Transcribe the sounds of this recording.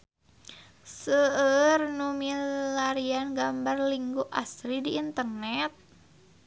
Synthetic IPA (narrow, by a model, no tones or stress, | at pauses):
səərnumilaɾianɡambarliŋɡuʔasɾidiːnt̪ərnɛt̪̚